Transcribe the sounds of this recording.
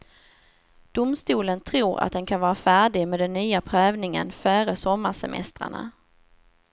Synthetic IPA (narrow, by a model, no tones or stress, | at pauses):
d̪̥ʊmst̪uːlənt̪ʰɾuːɾa̰t̪̚d̪ɛnkʰanvɑːɾafæːɖɪɡmeːd̪ɛnːyːapʰɾœːvnɪŋə̰nfœːɾəsɔmːaʂɛmʔɛ̰st̪ɾa̰ɳa̰